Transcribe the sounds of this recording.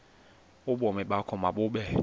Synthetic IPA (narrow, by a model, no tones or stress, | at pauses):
ʊɓɔmɛɓakʰɔmaɓʊɓɛ